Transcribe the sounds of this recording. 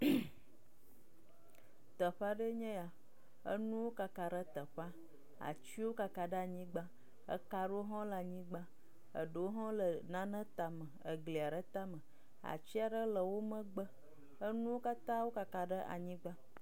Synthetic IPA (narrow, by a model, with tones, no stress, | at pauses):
t̪ə˨ɸa˦ɖə˦ɲɛ̃˦ja˨ | ə̰˦nũ˦wo˦ka˨ka˨ɖə˦t̪ə˨ɸa˦ | a̰˨t͡ɕi˦wo˦ka˨ka˨ɖə˦a˨ɲĩ˦ɡ͡ba˦ | ə̰˦ka˨ɖo˦ɦɔ̃˦lə˨a˨ɲĩ˦ɡ͡ba˦ | ə̰˨ɖə˨wo˦ɦɔ̃˦lə˨nã˨nə̃˦t̪a˨mə̃˨ə˨ɡli˨a˨ɖə˦t̪a˦mə̃˨ | a̰˨t͡ɕi˦a˨ɖə˦lə˨wo˦mə̃˦ɡ͡bə˦ | ə˦nũ˦wo˦ka˦t̪ã˦wo˦ka˨ka˨ɖə˦ʔa̰˨ɲĩ˦ɡ͡ba˦